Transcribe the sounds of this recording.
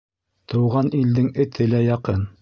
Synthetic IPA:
t̪ɤ̆wʁɑnild̪ɘŋɘ̆t̪ʰɘlæjɑqɤn

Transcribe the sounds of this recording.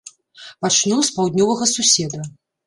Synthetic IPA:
pat͡ʃnuwspawd̪ʲnʲɔvɐɣɐsusʲɛd̪ɐ

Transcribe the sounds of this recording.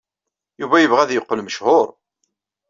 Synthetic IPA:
juvæjəvʁæðjəqːəlməʃhʊɾˤ

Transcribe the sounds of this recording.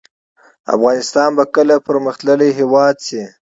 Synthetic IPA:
a̰fɣɑnɪst̪ɑnbakəlapəɾməxt̪ləliɦewɑd̪si

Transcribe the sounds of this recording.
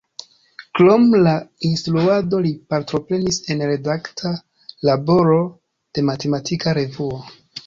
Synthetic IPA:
kɾomlainstɾuado̞lipaɾtɾo̞pɾe̞nise̞nɾe̞daktʰa | labo̞ɾo̞ | d̥e̞mate̞matikaɾe̞vuo

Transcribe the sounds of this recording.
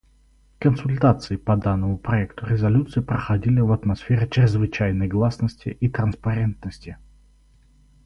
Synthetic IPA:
kənsʊlʲt̪at̪sɨɪpɐd̪anːəmʊpɾɐɛkt̪ʊɾʲɪzɐlʲut̪sɨɪpɾəxɐdʲilʲɪvɐt̪mɐsfʲeɾʲɪt͡ɕɾʲɪzvɨt͡ɕæjnəjɡlˠasnəsʲtʲɪ̰ʔit̪ɾənspɐɾʲent̪̚nəsʲtʲɪ

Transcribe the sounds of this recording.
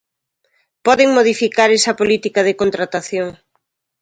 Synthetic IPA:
pɔðɪŋmoðifikaɾɛsɐpolit̪ikɐðɪkont̪ɾat̪aθjoŋ

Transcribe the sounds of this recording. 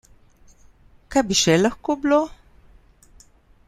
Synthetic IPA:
kabiʃelaxkublo

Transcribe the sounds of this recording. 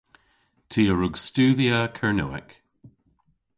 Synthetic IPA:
tʰiəɹuɡstʉːðiəkʰəɹnoːɪ̰k

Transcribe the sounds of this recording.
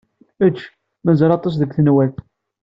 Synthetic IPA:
ət͡ʃː | mæzəɾɑt̪ˤːɑs̬ðəkʷθənwælθ

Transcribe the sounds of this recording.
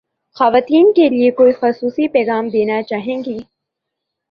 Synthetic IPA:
xɐʋaːt̪iːnkeliekoːixʊsuːsipɛːɣaːmd̪eːnat͡ʃaːɦẽːŋɡiː

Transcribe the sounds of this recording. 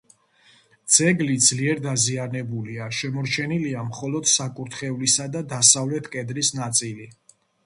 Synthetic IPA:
d̪z̥ɛɡlid̪z̥liɛɾd̪azianɛbuliaʃɛmɔɾt͡ʃʰɛniliamχɔlɔd̪̥sakʼuɾt̪ʰχɛvlisad̪ad̪asavlɛt̪ʰkʼɛd̪ɾisnat̪sʼili

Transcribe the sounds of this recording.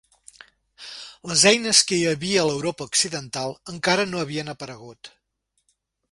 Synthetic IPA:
ləzɛjnəskəiəβiəːləwɾopəuksiðənt̪alˠəŋkaɾənoəβiənəpəɾəɣ̞ut̪

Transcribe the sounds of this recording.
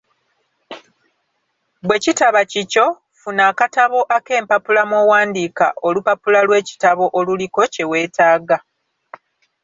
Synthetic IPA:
bwe̞citaβacico̞ | funaːkataβo̞ʔake̞ːmpapulamowaːndika̰ʔolupapulalwe̞ːci̥taβo̞ʔoluliko̞ce̞we̞ːtaːɡa

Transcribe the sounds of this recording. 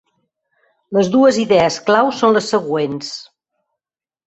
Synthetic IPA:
ləzðuəziðɛəsklawsonləsːəɣwens

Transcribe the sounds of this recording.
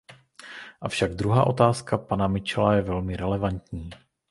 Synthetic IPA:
ʔafʃaɡd̪ɾuɦa̰ːʔo̞t̪aːskapanamɪt͡ʃɛlajɛvɛlmɪɾɛlɛvant̪ɲiː

